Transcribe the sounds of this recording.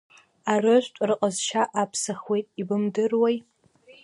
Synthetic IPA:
arɨʒʷtʷʼrɨqʼəzʃaʔapʰsaχwejtʼibɨmdɨrwaj

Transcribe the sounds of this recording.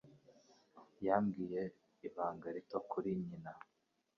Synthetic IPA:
jaːmɡiːje̞ | iβaːŋɡaɾitokʰuɾiɲina

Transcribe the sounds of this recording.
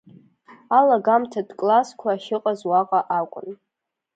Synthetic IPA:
alaɡamtʰadkʼlaskʷʰaːʃɪqʼazwaqʼaʔakʷʼʊ̰n

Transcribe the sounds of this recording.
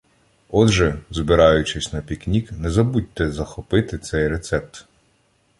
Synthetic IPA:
ɔd̪ʒɛzbɪɾɑjʊt͡ʃɪsʲnɐpʲiknʲiknɛzɐbut̚ʲt̪ːɛzɐxɔpɪt̪ɪt̪sɛjret̪sɛp̚t̪

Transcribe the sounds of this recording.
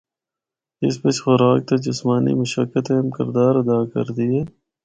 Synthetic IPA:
ɪsbet͡ʃxʊɾaːk̚t̪ɐd͡ʒɪsmaːnḭmɐʃəkːət̪ẽmkɪ̰ɾd̪aːɾɐd̪aːkɐ̰ɾd̪ieː

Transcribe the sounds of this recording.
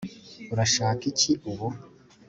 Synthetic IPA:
uɾaʃaːkiciʔuβu

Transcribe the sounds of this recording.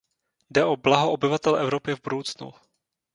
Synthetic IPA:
dɛʔoblaɦoʔobɪvat̪ɛlʔɛvɾopɪvbudowt͡snṵ

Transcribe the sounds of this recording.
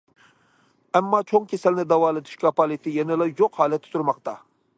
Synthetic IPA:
ɛmːɑt͡ʃʰoŋkʲʰesɛlnɪd̪ɑwɑːlˠɨd̪ʰɨ̥ʃkʲʰɑpɑlˠɨt̪ʰɪjɛnɪlɑjoqhɑːlɛt̪ʰːɪ̥t̪ʰuɾmɑqt̪ɑ

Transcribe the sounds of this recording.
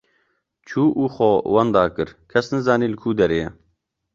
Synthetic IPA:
t͡ʃʰuːʔuːxowɐnd̪ɑːkɨɾkʰɛsnɨzɑːniːlɨkʰuːd̪ɛɾeːjɛ

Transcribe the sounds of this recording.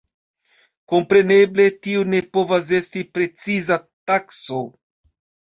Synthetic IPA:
ko̞mpɾe̞ne̞ble̞tiune̞po̞vas̬e̞stipɾe̞t͡sizatakso̞

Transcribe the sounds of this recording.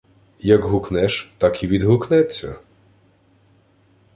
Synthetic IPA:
jɐɡɦuknɛʃt̪ɑkiʋʲid̪ɦʊknɛt͡sʲːɐ̰

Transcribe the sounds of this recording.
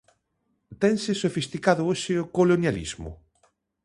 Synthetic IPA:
t̪ɛŋsɪsofist̪ikaðʊoʃɪokolonjalḭzmʊ̰

